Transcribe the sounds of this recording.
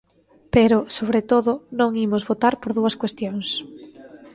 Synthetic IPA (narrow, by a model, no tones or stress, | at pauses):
peɾʊsoβɾet̪oðʊnõŋimʊzβot̪aɾpoɾðuɐskwest̪joŋs